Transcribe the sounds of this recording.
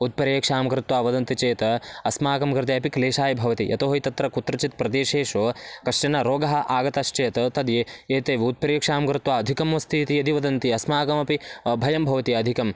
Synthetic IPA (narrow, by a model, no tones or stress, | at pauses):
ut̪̚pɐɾjɐkʂaːmɐkɾɪt̪waːʋɐd̪ɐnt̪it͡ʃeːt̪ɐɐsmaːkɐmkɾɨt̪eɐpikleːʃaːjɐbʱɐʋɐt̪iʔɐ̰t̪oːɦɐjit̪ɐt̪ɾɐkut̪ɾɐt͡ʃit̪̚pɾɐd̪eːʃeːʃoːkɐʂʈɐnɐɾoːɡɐɦɐʔaːɡɐt̪ɐʃt͡ʃeːt̪ɐt̪ɐd̪ieːt̪eːʋiut̪̚pɐɾjɐkʂaːmɐkɾɪt̪ʋaːɐd̪ʱikɐmʋɐst̪ʰiːt̪iɐd̪ʱiʋɐd̪ɐnt̪iɐsmaːkɐmɐpibʱɐjɐmbʱɐʋɐt̪iɐd̪ʱikɐm